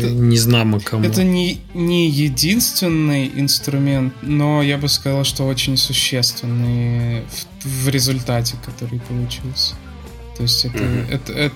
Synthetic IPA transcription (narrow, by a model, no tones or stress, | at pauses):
nʲɪznamɨkʰɐmɛt̪ənʲɪ | nʲɪjɪdʲinst̪vʲɪnːɨjɪ̰nst̪ɾʊmʲe̞nt̪no̞jabɨskɐzalˠʂt̪o̞o̞t͡ɕɪnʲsʊɕːe̞st̪vʲɪnːɨf | vɾʲɪzʊlʲt̪atʲɪkɐt̪o̞ɾɨjpəlˠʊt͡ɕilˠsʲ | t̪o̞ɪsʲtʲɛt̪əɛ̰t̪əɛ